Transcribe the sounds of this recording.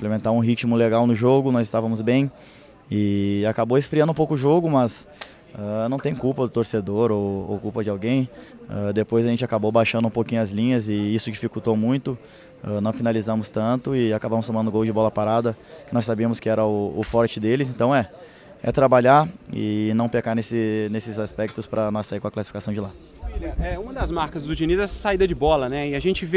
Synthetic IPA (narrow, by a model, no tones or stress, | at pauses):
ĩplemẽnt̪aɾũɦit͡ʃimʊleɡawnʊʒoɡʊnɔzɪst̪avɐmʊzbẽj̃ | ɪakabowesfɾiɐ̃nd̪ʊũpowkʊʊʒoɡʊmɐz | anɐ̃w̃t̪ẽj̃ʊkuwpɐd̪ʊt̪oɾsed̪oɾowo̰kuwpɐd͡ʒɪawɡẽj̃ | ad̪epojzɐʒẽnt͡ʃɪakabowbajʃɐ̃nd̪ʊũpowkĩɲʊɐzlĩɲɐzɪisʊd͡ʒifikut̪owmũj̃t̪ʊ | ɛnɐ̃w̃finalizɐ̃mʊst̪ɐ̃t̪ʊɪakabɐ̃mʊst̪õmɐ̃nd̪ʊɡowd͡ʒɪbɔlɐpaɾad̪ɐkɪnɔsːabiɐ̃mʊskɪɛɾɐʊʊfɔɾt͡ʃɪd̪elɪz̬ẽnt̪ɐ̃w̃ɛ | ɛ̰t̪ɾabaʎaɾɪ̰nɐ̃w̃pekaɾnesɪnesɪzaspɛk̚t̪ʊspɾʔɐnɔsaiɾkõɐklasi̥fikasɐ̃w̃d͡ʒɪlad̪ʊ | vilɐʔɛũmɐd̪ɐzmaɾkɐzd̪ʊʒinizɛsaid̪ɐd͡ʒɪbɔlɐnɛɪaʒẽnt͡ʃɪve